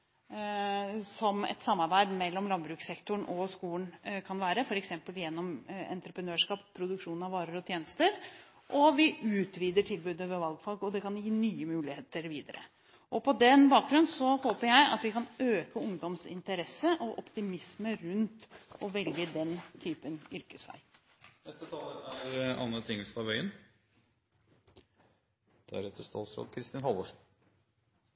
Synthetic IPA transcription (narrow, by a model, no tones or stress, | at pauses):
sɔmɛ̰t̪sɑmːɑɾbæɪd̪mɛlːɔmlɑnbɾʉːksɛkt̪ʊɳʔɔskuːənkʰɑnʋæːɾəfɔɾɛksɛmpəljɛnːɔmɛ̰nt̪ɾəpɾənøːʂkɑːppʰːɾʊd̪ʉkʂuːnɑʋɑːɾəɾɔt̪ʰjeːnəst̪əɾ | ʔɔʋɪʉːt̪ʋiːd̪əʈʰɪlbʉːd̪əʋɛʋɑlɡfɑlɡɔd̪ɛkɑnjiːnyːəmʉːlɪheːt̪əɾʋiːd̪əɾə̰ | ʔɔpʰɔd̪ɛnbɑːk̚ɡ̪ɾʉnsɔhoːpəɾjæɪɑ̰t̪ʋɪkɑnøːkəʊŋd̪ɔmsɪ̰nt̪əɾɛsːəʔɔʔɔpt̪ɪmɪsməɾʉnt̪ɔʋɛlɡəd̪ɛnt̪ʰyːpənʏɾkəsæ̰ɪ | nɛst̪ət̪ʰɑːləæɾɑ̰nːət̪ʰɪŋːəlsnɑʋœʏən | d̪̥ɛæ̰ɾɛt̪ːəst̪ʰɑ̰ːlsɾo̰ːd̪̚kʰɾɪst̪ɪnhɑlɔʂ